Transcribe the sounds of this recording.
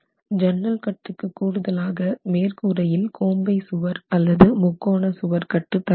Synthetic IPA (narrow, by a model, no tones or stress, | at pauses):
d͡ʒɐnrɐlkɐʈːɯkːɯkːuːɽɯðɐlaːɣɐmeːrkuɾɐjɪlkʰoːmbɐɪsʊʋɐɾɐlːɐðɯmʊkːoːɳɐsʊʋɐɾkɐʈːɯt̪ːɐ